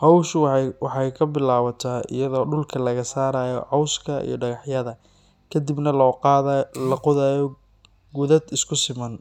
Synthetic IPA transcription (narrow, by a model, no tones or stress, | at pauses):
hɑwʃwɑħɑjkʰɐbɪlaːwɐt̪ʰaːɪ̰jɐðɔːɖʊlkʰɐlɐɣɐsaːɾaːjɔ̰ʕɑwskʰɐḭjɞ̰ɖɐɣɑħjɐðɐ | kʰɐd̪ibnɐ | lɐqʊðajɔ | ɡʊðɐd̪ɪskʰʊsɪmɐn